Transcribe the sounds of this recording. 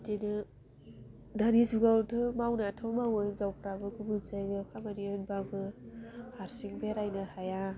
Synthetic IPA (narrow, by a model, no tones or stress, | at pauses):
dinɯ | danizuɡawtʰɯmawnatʰɯwmawɯjzawpʰɾabɯkʰubɯzajɡɯkʰamaniɯnbabɯhaɾsiŋbeɾajnɯhaja